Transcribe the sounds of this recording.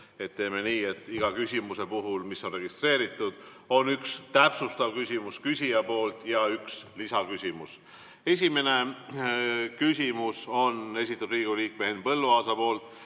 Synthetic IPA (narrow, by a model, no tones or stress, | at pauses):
e̞t̪ːe̞ːme̞niːe̞t̪ːˑiɡ̥ɑkysʲimuse̞puɦulmisːo̞nre̞ɡist̪re̞ːɾit̪ːˑud̪̥ | o̞nykst̪æpsust̪ɑvkysʲimuskysʲijɑpo̞ːlt̪jɑykslisɑkysʲimus | e̞s̬ʲime̞ne̞ | kysʲimuso̞ne̞s̬it̪ːud̪riːɡ̥uliːk̚mehenpɤ̞lːuɑːsɑpo̞ːlt̪